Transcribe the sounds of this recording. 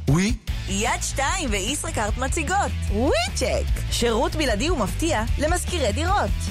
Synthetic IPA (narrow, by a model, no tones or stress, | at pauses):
wi | jad̪ʃtaimveisʁekaʁt̪mat͡siɡotwit͡ʃekʃeʁutbiladiumaftiale̞maskiʁediʁo̞t